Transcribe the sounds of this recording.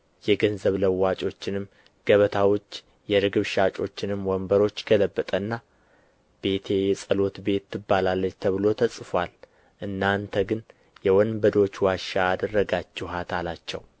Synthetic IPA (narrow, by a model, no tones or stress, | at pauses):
jɛɡənzəβləwːat͡ʃʼo̞t͡ʃːɪnɨm | ɡ̥əβət̪ʰawot͡ʃː | jɛɾɨɡɨβʃat͡ʃʼo̞t͡ʃːɪnɨmwɔmbəɾo̞t͡ʃːɡ̥ələbːət̪ʼənːa | b̥e̞t̪ʰe̞jɛsʼəlo̞t̪be̞t̪ːɨbːalalːət͡ʃːt̪ʰəβɨlo̞t̪ʰəsʼfal | ʔɨnːant̪ʰəɡɨn | jɛwɔnbəd̪o̞t͡ʃːwaʃaːd̪ərːəɡat͡ʃːɛɦat̪alat͡ʃːɛw